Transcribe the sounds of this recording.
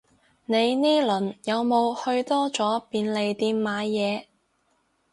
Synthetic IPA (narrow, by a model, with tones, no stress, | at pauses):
ne˨˧jniː˥lɵ˨˩njɐ˨˧wmo˨˧whɵ˧ɥt̪ɔː˥t͡sɔː˨˥piː˨˧nle˨˧jt̪iː˧mmaː˨˧jɛː˨˧